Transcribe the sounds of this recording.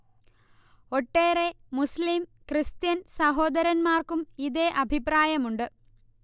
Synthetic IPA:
o̞ʈːeːremuslimkrɨst̪jɐnsɐɦo̞ːd̪ɐɾɐnmaːrkumiðeːʔɐbʱipraːjɐmuɳɖɨ

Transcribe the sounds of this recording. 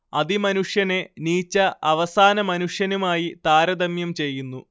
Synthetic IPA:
ɐðimɐnuʂjɐne̞niːt͡ɕːɐʔɐʋɐsaːnɐmɐnuʂjɐnumaːjit̪aːɾɐd̪ɐmjɐmt͡ɕe̞jːunːu

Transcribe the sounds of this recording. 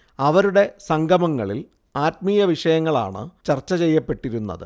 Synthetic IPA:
ɐʋɐɾuɽe̞sɐŋɡʱɐmɐŋːɐɭḭl | aːt̪̚miːjɐʋiʂɐjɐŋːɐɭa̰ːɳɨ̰t͡ɕɐrt͡ɕːɐt͡ɕe̞jːɐpːe̞ʈːiɾunːɐ̰ðɨ̰

